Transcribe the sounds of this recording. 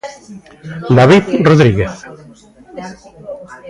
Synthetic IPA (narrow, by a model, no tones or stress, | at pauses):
d̪aβiðroðɾiɣeθ